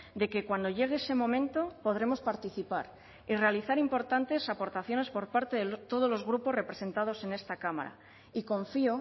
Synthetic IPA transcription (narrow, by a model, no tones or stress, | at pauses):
d̪e̞ke̞kwand̪o̞ʝe̞ɣ̞eese̞mõ̞mẽnt̪o̞po̞ð̞ɾe̞mo̞spaɾt̪iθipaɾ | ire̞aliθaɾimpo̞ɾt̪ant̪e̞sapo̞ɾt̪aθjo̞ne̞spo̞ɾpaɾt̪e̞ðet̪o̞ð̞o̞zlo̞zɣɾupo̞re̞pɾe̞se̞nt̪að̞o̞se̞ne̞st̪akama̰ɾa̰ | iko̞ɱfio